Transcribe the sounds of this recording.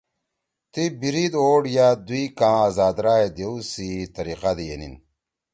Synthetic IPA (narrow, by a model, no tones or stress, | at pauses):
t̪ibiɾid̪oːɽjad̪uikãːazaːd̪ɾaːed̪eusit̪ɐɾiqad̪ijenḭn